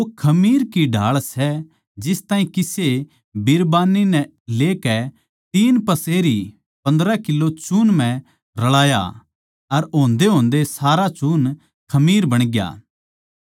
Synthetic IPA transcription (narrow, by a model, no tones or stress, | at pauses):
okʰɐmiːɾkiɖʱa̰ːɭsɛ | d͡ʒɪst̪aːɦĩkɪse | bɪɾbaːnːinɛ | leːkɛ | t̪iːnpɐseːɾi | pɐ̃nd̪ɾakɪlːot͡ʃuːnmɛ̃ | ɾɐɭaːja̰ | ɐɾõːnd̪eɦõːnd̪esaːɾat͡ʃuːn | kʰɐmiːɾbɐɽ̃ɡja̰ː